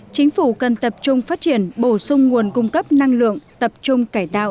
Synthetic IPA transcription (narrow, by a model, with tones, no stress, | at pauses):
t͡ɕï˨˦ŋ̟fu˧˩kə˨˩nt̪ə˨˩p̚t͡ɕʊ˧ŋ͡mfaː˦˥t̚t͡ɕi˧˩ənɓo˧˩sʊ˧ŋ͡mŋu˨˩ənkʊ˧ŋ͡mkə˦˥p̚na˧ŋlɨ̰˧˨əŋt̪ə˨˩p̚t͡ɕʊ˧ŋ͡mkaː˧˩jt̪a̰ː˧˨ʔ